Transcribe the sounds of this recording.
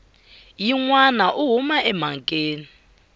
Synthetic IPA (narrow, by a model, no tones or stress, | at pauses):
jiŋwanaʔuɦumaʔɛmaŋkʼeːni